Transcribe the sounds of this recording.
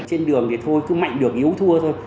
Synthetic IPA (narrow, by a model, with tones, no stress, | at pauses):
t͡ɕe˧nɗɨ˨˩əŋt̪ʰi˨˩t̪ʰo˧jkɨ˨˦ma̰˧˨ŋ̟ɗɨ˨˩ək̚ʔi˨˦əwt̪ʰɨ˧ət̪ʰo˧j